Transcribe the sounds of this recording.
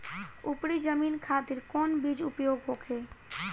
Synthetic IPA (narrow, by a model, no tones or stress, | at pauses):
upɽid͡ʒəmiːnkʰaːt̪ɪɾkɔːnbid͡ʒʊpjoːɡɦoːkʰeː